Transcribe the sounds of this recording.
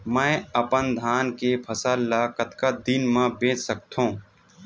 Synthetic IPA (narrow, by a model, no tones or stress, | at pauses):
mɛ̃ːəpənd̪ʱaːnkepʰəsəlːakət̪kad̪inmãbẽːt͡ʃsək̚t̪ũː